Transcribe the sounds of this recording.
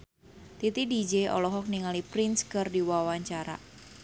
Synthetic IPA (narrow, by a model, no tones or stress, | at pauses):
t̪it̪idid͡ʒeʔɔ̰lɔɦɔk̚niŋalipɾinskərdiwawaɲt͡ʃaɾa̰